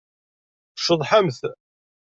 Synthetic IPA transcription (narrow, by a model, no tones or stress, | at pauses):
əʃəðˤħamθ